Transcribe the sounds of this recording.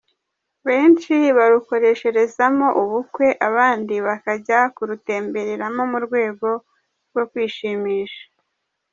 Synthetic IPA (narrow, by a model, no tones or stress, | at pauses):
βe̞ːnt͡ʃiβaɾuko̞ɾe̞ʃe̞ɾe̞zamo̞ʔuβukwe̞ʔaβaːndiβakaɟakuɾute̞ːmbe̞ɾeɾamo̞muɾɡwe̞ːɡo̞ | ɾɡo̞kwiːʃiːmiːʃḁ